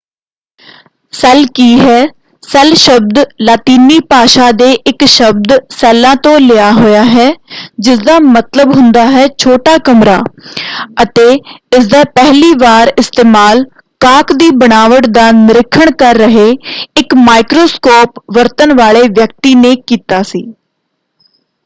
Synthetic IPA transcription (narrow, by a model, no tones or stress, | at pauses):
sɛlkiːɦɛː | sɛlʃəb̚d̪laːt̪iːniːpaːʃaːd̪eːʔɪkʃəb̚d̪sɛːlãːt̪õːlɪjaːɦʊjaːɦɛːd͡ʒɪsd̪aːmət̪ləbɦʊ̃nd̪aːɦɛːt͡ʃʰoːʈaːkəmɾa̰ː | ət̪eːɪsd̪aːpɛɦliːʋaːɾɪst̪eːmaːl | kaːkd̪iːbəɽaːʋəʈd̪aːnɪɾɪkʰːəɳkəɾːəɦeːɪkmaːɪkɾoːskoːpʋəɾt̪ənʋaːleːʋjək̚t̪iːneːkiːt̪aːsiː